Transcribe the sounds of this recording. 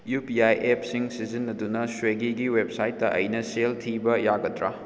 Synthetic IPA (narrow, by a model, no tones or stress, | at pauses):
jupiajep̚siŋsizinːɐdunɐsweɡiɡiwep̚sajtːɐʔɐ̰jnɐseltʰibɐjaɡɐdɾa